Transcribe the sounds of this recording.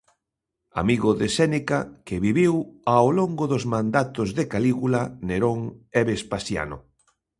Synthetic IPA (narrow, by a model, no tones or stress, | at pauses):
a̰miɣʊðesɛnikakɪβiβiwawloŋɡʊðʊzmãnd̪at̪ʊzðekaliɣulaneɾoŋɛβespasja̰nʊ̰